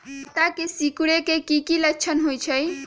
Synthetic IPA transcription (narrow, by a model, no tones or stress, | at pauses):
ət̪akesikuɽekekikilək̚t͡ʃʰənɦojt͡ʃʰəj